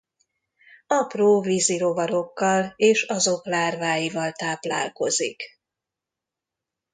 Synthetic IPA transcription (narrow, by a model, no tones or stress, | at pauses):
ɒproːviziɾo̞vɒɾo̞kːɒleːʃɒzo̞klaːrvaːjivɒlt̪aːpla̰ːlko̞zḭk